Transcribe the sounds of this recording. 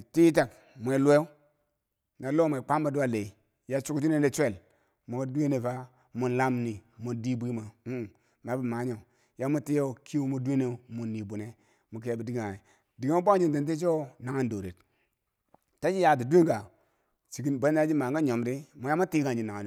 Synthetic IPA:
ti˦t̬a˨k | mu˨e˨lu˦e˦u˦ | na˨lo˦m˨e˨k͡pa˦mba˨du˦wa˦le˨i˨ | ja˦t͡ʃu˦kt͡ʃi˦ne˦de˦t͡ʃʷe˦˨l | mu˨ka˦du˦e˦ne˨va˦ | mu˨nla˦mni˨mu˨di˦bʷi˦ma˨u˦˨ | na˨˦bi˨ma˨˦ɲo˨ | ja˦mu˦ti˦jo˦˨ki˦u˦mu˨dʷe˦ne˨mu˨nːi˨bu˨ne˨ | mu˨k̬e˨bi˨di˦ɡi˦a˨i˨ | di˨ɡi˦mu˦bd͡ʒi˦nte˨nt̬e˦t͡ʃo˦na˨ŋa˦ndo˨ɾe˨t | ta˦d͡ʒi˦ja˨di˨du˦i˦ŋɡa˨ | t͡ʃi˨ki˦be˦a˦d͡ʒi˦ma˨ŋ˦ɡa˦ɲo˨mɾi˦mu˨ja˦mu˦tiː˦ɡa˨d͡ʒi˨na˨ŋa˨

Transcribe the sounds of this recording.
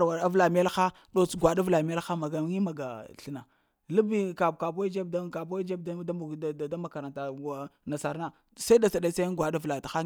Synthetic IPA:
ɾwa˨ɾa˦vla˨m˦e˦lxa˦ | ɗo˦t͡sɡʷa˨ɗa˦vla˨m˦e˦lxa˦ma˨ɡa˨˦ŋi˦ma˨ɡa̰˨ɬə˦na˨ | lu˦bi˦ka˨bka˨po˦d͡ʒe˦b̚dka˨bo˦d͡ʒe˦bda˦ma˨ka˨ɾa˨nta˨ɡa˨na˨sa˨ɾna˦ | sa˦i˦da˨t͡sa˨ɗa˦sa˦ɡʷa˨da˦vla˨ta˨xa˦

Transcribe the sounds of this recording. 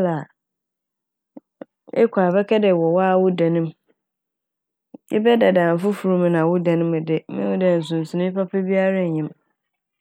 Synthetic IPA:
la˨ | ɛ̰˦kʷʰa˨bɛ˦kʰɛ˦dɛ˨wɔ˨wa˦˨wʊ˦dã˨nɪ̃˦m | jɪ̰˦bɛ˦da˨dãː˨m˨fʊ˦fu˨ɾũ˦m̃˨nã˨wʊ˦dã˨nɪ̃˦m˨dɪ˨mɪ̃˦ʊ˦dã˨n̩˨s̬ʊ̃˨n˨sʊ̃˨nʊ̃˦pʰa˦pʰɛ˦bi˦a˦ɾa˦˨ɲɪ̃˦m

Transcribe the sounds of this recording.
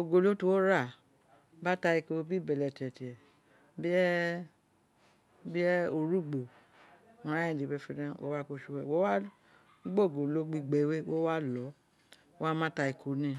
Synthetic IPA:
o˨ɡo˨lo˨˦tu˧wo˦ɾa˦˨ | ba˦ta˧i˧ko˧bi˦˨bɛ˨lɛ˨ti˨ɛ˨ti˨ɛ˨ | bi˦ɛ˦ | bi˦ɛ˦o˧ɾu˦ɡ͡bõ˨ | ɾ̃ã˨˦ĩ˦˨di˨bɛ˧˦fi˧˦nã˧wo̰˦wa˦ko˦ʃu˧wɛ˨wo˦wa˦ | ɡ͡bo˦˨ɡo˨lo˨˦ɡ͡bi˧ɡ͡bɛ˨˦we˦wo˦wa˦lɔ˨˦ | o˦a˦mã˦ta˧i˨kʰo˨˦nĩ˦˨

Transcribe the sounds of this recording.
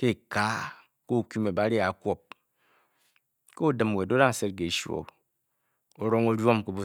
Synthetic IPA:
ke˦˨ka˨˦ | ko˦˨ku˦me˨ba˦ɾi˦a˨˦kʷo˦p̚ | ko˦o˦dɨ˨m˨we˨do˦da˦ŋ̩˨se˦t̚ke˨ʃo̰˨ | o˨ɾo˦ŋo˦ɾjo˦mko˨˦bo˨

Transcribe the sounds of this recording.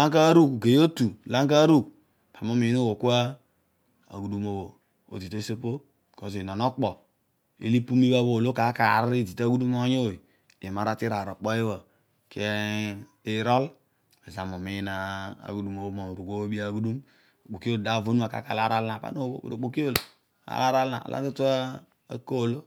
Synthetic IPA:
a˦k̬a˦ɾu˦kɡe˨jo˦tu˨la˦ŋk̬a˦ɾu˦k̚ | pʰa˨m˦o˦mi˨˦no˦wo˨ku˦a˦ | a̰˨ɡu˨du˦mo˨wo˨ | o̰˨zi˨te˦se˦po˦˨ | ko˨zi˨nɔ˨nɔ˦k͡pɔ˨ | ḛ˦li˦pu˦mi˦ba˦bo˦˨lo˦ka˨˦ka˨ɾɾi˦˨di˨ta˦ɡu˦du˦m˦o˦ɲo˦˨i˨ | e˨ma˨ɾa˦ti˦ɾa˨ɾo˨k͡pɔ˦e˦wa˨ | ke˦ | i˦ɾɔ˦l | a˨za˨mo˨mi˦na˨a̰˨ɡu˦du˦mo˨bo˦mo˨m˨ɾu˨ɡo˦wo˦bi˦a˦˨ɡu˦du˦m˨ | k͡po˨ki˦o˦˨da˦˨vo˦nu˦a˨ka̰˨˦ka̰˨la˦ɾa˦lna˨pa̰˦n˦o˦bo̰˨bo̰˨ɾo˨k͡po˨ki˦o˦l | a̰˨la˦ɾa˦lna̰˨a̰˨lʔa̰˦to˦tu˦a˦ | a̰˦ko˦˨lo˦

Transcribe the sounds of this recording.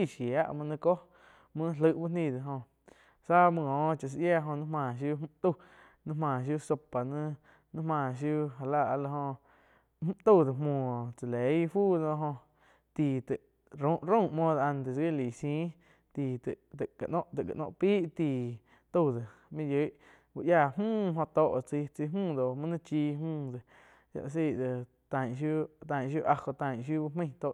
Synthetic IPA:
i˧˨ʃi˨a˦ʔmɨ̃˧nə̃˧ko˦ | mɨ̃˦˧lə˧˨ʔbu˦nĩ˧˨d̪e˨ɦõ˧ | sa˦mɨ̃˧õː˨˦t͡ʃa˧˨s̬ʔja˦˧ʔɦõ˧nɨ̃˦mãː˧˨ʃ̬ju˦˧˦t̪u˧˨ | nɨ̃˦mãː˧˨ʃ̬ju˦˧so˧pa˨nɨ̃˦ | nɨ̃˦mãː˧˨ʃ̬ju˦˧˦ɦa˨la˧˨ʔa˧la˧ɦõ˧ | m˦t̪u˦˧˨d̪o˨mõː˨t͡sa˨le˨˦jfuː˦dõ˧ɦõ˧ | t̪i˨t̪e˨ʔ | ɾõ˦ʔɾõ˦˨mõː˦d̪a˧nt̪e˨t͡sɡe˦˨li˨sĩː˦ | t̪i˨t̪e˨ʔt̪e˨ʔka˨ʔnõ˦ʔt̪e˨ʔka̰˨ʔnõ̰˦˧ʔpiː˦ʔt̪iː˧˨ | t̪o˦˧˨d̪e˨ | mĩ˦jə˨˦ʔ | bu˧ʔja˧˨mũː˦˨ɦõ˧t̪o˧˨ʔt͡si˧t͡si˧mũː˦˨d̪o˨mã˦nã˦t͡ʃiː˧mũː˦˧˨d̪e˨ | ja̰˧ʔs̬i˧˨d̪e˨ | t̪ã˨ʔʃ̬ju˦t̪ã˨ʔʃ̬ju˦ʔa˧ko˧t̪ã˧˨ʔʃ̬ju˦bu˧mə̃˦˧j̃t̪o˧˨

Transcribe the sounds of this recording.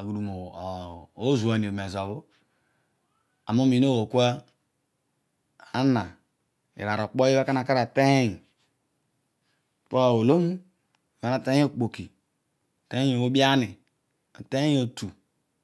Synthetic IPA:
a˨ɡu˨du˨mo˨o˦zu˨a˨n˨e˨me˨zo˨βo˦ | a˨mo˦mi˨n˦o˦˨wo˨ku˦a˦ | a˦na˨ | ḭ˨ɾa˨ɾo˨k͡po˦e˦βa˦ka˦na˨ka˦ɾa˨te˦he˦˨ | po˦˨o˨lo˦mu˦˨ | a˨na˦˨te˦o˦˨k͡po˨ki˨ | te˦e˦o˨wo˦bi˦a˦ni˨ | te˦e˦o˨tu˨

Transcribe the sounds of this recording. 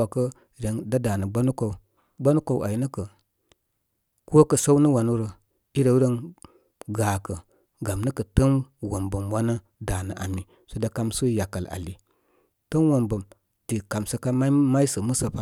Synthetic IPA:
a˨kə˦ | ɾe˨˦ŋda˦da˨nə˨ɡ͡ba˦nu˦ko˨ | ɡ͡ba˦nu˦ko˨wʔa̰˨ji˨˦nə˦kə˨ | ko˦kə˨sa˦wnə˦wa˨nu˦ɾə˨ | i˦ɾə˨wɾə˦n | ɡaː˨kə˨ | ɡa˨mnə˦kə˨tə˦nwo˨mbə˨mwa˦nə˦ | da˨nə˨ʔa̰˨mi˨ | so˨da˨ka˦msə˦ja˨ka˨la̰˨li˨ | tə˦n˦wo˨mbə˨m | ti˨ka˨msə˦ka˦ma˦ma˦i˦sə˨mə˦sə˨pa˦

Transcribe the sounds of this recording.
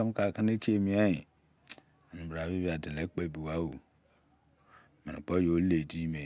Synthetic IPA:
a˦m˦ka˨ka˦ne˦ki˦e˦˨mi˦a˦ji˨ | a˨n˨ba˨βi˦bi˦a˨di˨le˦k͡pe˦˨bi˨wa˦wo˨ | mi˨nḭ˨k͡po˦jo˨˦le˨di˦me˨

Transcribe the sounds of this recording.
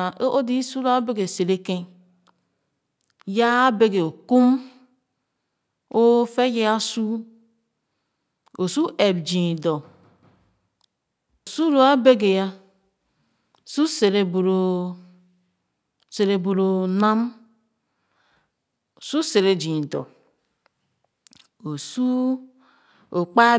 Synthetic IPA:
ʔo˦ʔo˦di˦su˦ɾo˦a˦be˦ɡe˨se˨ɾe˦ke˦ | ja˦be˦ɡe˨o˨ku˦m | o˦fe˦je˦a˦su˦ | o˨su˦ʔe˨bd͡ʒĩ˨do˨ | o˨su˦ɾo˨a˦be˦ɡe˨ja˦˨ | su˦se˨ɾe˨bo˨ɾo˨ | se˨ɾe˨bo˨ɾo˨na˦m | o˨su˦se˨ɾe˨d͡ʒi˨do̰˨ | o˨su˦ | o˨k͡pa˦

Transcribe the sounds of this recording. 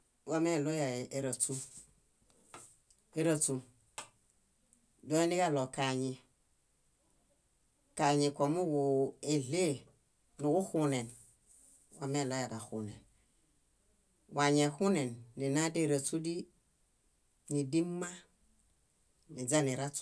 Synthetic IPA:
wa˦me˦˨lo˦ja˨ʔe˨ɾa˨t͡su˦ | e˦ɾa˨t͡su˨ | do˦e˦ni˦ka˦lo˨ka˨ɲi˨ | ka˨ɲi˨ko˨mu˦ɡu˨e˨le˦ | nu˨ku˦hu˦ne˨n | wa˦me˦˨lo˦ja˨da˨xu˨nḛ˨n | wa˨ɲe˨hu˦ne˨nːi˨na˦de˦˨ɾa˨tu˦di˦ | ni˨di˦mːa˦ | ni˨d͡ʒa˦ni˨ɾa˦t

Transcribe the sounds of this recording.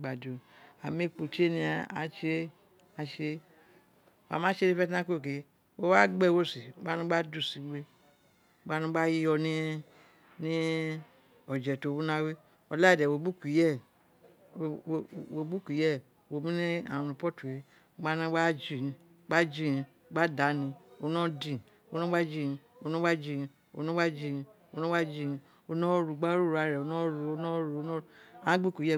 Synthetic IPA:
ɡ͡ba˨do˨a˨me˦k͡po˨t͡ʃe˦ni˧a˨a̰˨t͡ʃe˦ | a˨t͡ʃe˦ | wa̰˨mã˦t͡ʃe˦ni˦fɛ˦tã˦ko˦˨k̬e˨ | wo˦wa˦ɡ͡bɛ˦˨wo˦si˨˦ɡ͡ba˦nu˦ɡ͡ba˦du˦˨si˨˦we˦ | ɡ͡ba˦nũ˦ɡ͡ba˦ji˦jɔ˧ni˦ | ni˦ | ɔ˨d͡ʒɛ˨to˨˦wu˦nã˧˦we˦ | ɔ˨la˦i˨dɛ˨wo˨bu˦kʷi˨jɛ˦˨ | wo˧bu˦ki˨˦jɛ˦˨ | wo˧˨mĩ˦nĩ˦ã̰˨˧ũ˧pɔ˦tu˨i˧˨˦ | ɡ͡ba˦nã˦wa˦d͡ʒi˦˨ĩ˧˦ | ɡ͡ba˦d͡ʒi˦˨ĩ˧˨˦ɡ͡ba˦da˨˦nĩ˧o˧˦nɔ̃˦dĩ˨ | o˧˦nɔ̃˦wa˦d͡ʒĩ˧˨˧ | o˧nɔ̃˦wa˦d͡ʒi˧˨ĩ˧ | o̰˧nɔ̃˦wa˦d͡ʒĩ˦˧˨ | o˧nɔ̃˦wa˦d͡ʒi˦˧˨ĩ˧ | o˧nɔ̃˦ɾu˧˨ɡ͡ba˦ɾu˦ɾa˧˨ɾɛ˨o˨˧˦nɔ̃˦ɾu˧o˧˦nɔ̃˦ɾu˧˦n˦a˨ã˦ɡ͡bu˦˨kui˨˦ɛ˦˨

